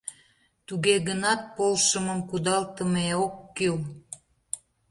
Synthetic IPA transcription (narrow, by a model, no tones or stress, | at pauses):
t̪uɣeɣənɑt̪̚polʃəməmkud̪ɑlt̪əmeokːyl